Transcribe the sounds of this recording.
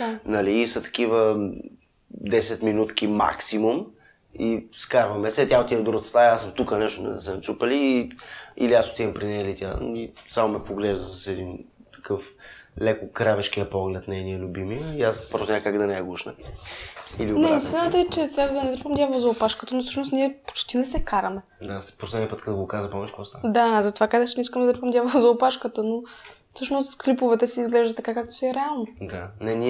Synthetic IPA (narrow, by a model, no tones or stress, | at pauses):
nɐliːsɐt̪ɐ̥k̟ivə | d̪ɛsɛt̪minut̪kʲima̰ksimum | iskaɾvɐmɛsɛt̪ʲaot̪iəd̪oɾot̪st̪aasɤmt̪ukənɛʃt̪ʊmɛ̰sɛnt͡ʃ̪upəliːḭliasot̪ivɐmpɾinɛilit̪ʲjaisamomɛpoɡlɛʒd̪əsɐsɛd̪int̪ɐ̥kɤflɛkʊkɾavɛʃk̟ijəpɔɡlɛt̪nɛɛniəlʲʊbimiəiaspɾɔsnʲakaɡd̪ɐnɛɛɡuʃnə̰ | ḭlinɛist̪inət̪əɛt͡ʃɛt̪ʲad̪d̪ɐnɛt̪ɾpəmd̪javˠozɐʊpaʃkət̪ənofsɤʃnost̪niɛpo̥t͡ʃt̪inɛsɛkaɾɐmɛ | d̪aspɾosɛd̪iəpət̪kət̪əɡokazəpɔvɛt͡ʃɛkvɔst̪ad̪azɐt̪ovakazəxt͡ʃɛnɛiskəmd̪d̪ɾpəmd̪javˠozɐopaʃkət̪əno | fsɤʃnost̪klipovɛt̪ɛsɛizɡlɛʒd̪ət̪ːɐkakakt̪o̥siɛɾɛalˠnod̪anɛni